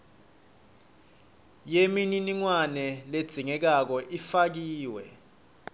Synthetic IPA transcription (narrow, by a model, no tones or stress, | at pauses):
jemininiŋwanɛled̥z̥ʱiŋɛk̬ak̬ɔʔifak̬iːwɛ